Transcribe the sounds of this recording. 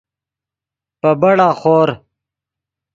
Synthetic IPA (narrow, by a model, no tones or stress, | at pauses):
pɐbɐɽaːχoːɾ